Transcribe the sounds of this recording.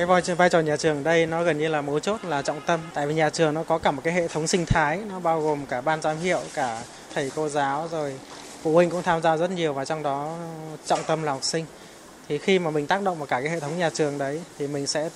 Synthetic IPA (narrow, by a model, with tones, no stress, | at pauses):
kaː˨˦jvaː˧jt͡ɕɔ˨˩ɲaː˨˩t͡ɕɨ˨˩əŋɗə˧jnɔ˨˦ɣə˨˩nɲɨ˧laː˨˩mo˨˦t͡ɕo˦˥t̚laː˨˩t͡ɕɔ̰˧˨wŋ͡mt̪ə˧mt̪a̰ː˧˨jvi˨˩ɲaː˨˩t͡ɕɨ˨˩əŋnɔ˨˦kɔ˨˦kaː˧˩mo˨˩kaː˨˦jɦḛ˧˨t̪ʰə˨˦wŋ͡msï˧ŋ̟t̪ʰaː˨˦jnɔ˨˦ɓaː˧wɣo˨˩mkaː˧˩ɓaː˧nzaː˨˦mɦḭ˧˨ə˨wkaː˧˩ | t̪ʰə˨˩jko˧zaː˨˦wzo˨˩j | fṵ˧˩hi˧ŋ̟kʊ̰˧˥ŋ͡mt̪ʰaː˧mzaː˧zə˦˥t̚ɲi˨˩əwvaː˨˩t͡ɕɔ˧wŋ͡mɗɔ˨˦t͡ɕɔ̰˧˨wŋ͡mt̪ə˧mlaː˨˩hɔ˨˩k͡p̚sï˧ŋ̟ | t̪ʰi˨˩xi˧maː˨˩mï˨˩ŋ̟t̪aː˦˥k̚ɗə̰˧˨wŋ͡mvaː˨˩kaː˧˩kaː˨˦jḛ˧˨t̪ʰə˨˦wŋ͡mɲaː˨˩t͡ɕɨ˨˩əŋɗə˨˦jt̪ʰi˨˩mï˨˩ŋ̟sɛ̰˧˥